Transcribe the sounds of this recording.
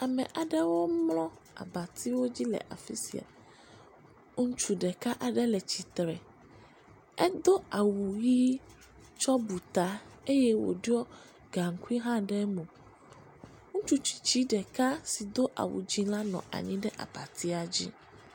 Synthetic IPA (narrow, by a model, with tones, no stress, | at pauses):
a˨mɛ̃˨ʔa˨ɖɛ˦wo˦mlɔ̃˦ | a̰˨ba˨t̪ʰi˦wo˦d͡ʑi˦lɛ̰˨ʔa̰˨fi˦sḭ˨a̰˨ | ŋu˦t͡ʃu˦ɖɛ˨ka˦ʔa˨ɖɛ˦lɛ˨t͡ɕi˨t̪ɾɛ˨ | ɛ˦d̪o˦a˨wu˨ji˦ | t͡ʃɔ˦bu˨t̪a˦e˦jɛ˦wo̰˨ɖi˦ɔ˦ | ɡa˨ŋ̩˨ku˦i˦ɦã˦ɖɛ˦mõ˨ | ŋũ˦t͡ʃu˦t͡ɕi̥˨t͡ɕi˦ɖɛ˨ka˦si˨d̪o˦ʔa̰˨wṵ˨d͡ʑi˦la˦nɔ̰̃˨ʔa̰˨ɲĩ˦ɖɛ˦ʔa̰˨ba˨t̪i˦a˨d͡ʑḭ˦